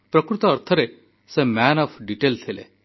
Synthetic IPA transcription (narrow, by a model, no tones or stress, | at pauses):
pɾɔkɾut̪ɔːɾt̪ʰɔɾe | semænɔpʰɖiʈelt̪ʰilḛ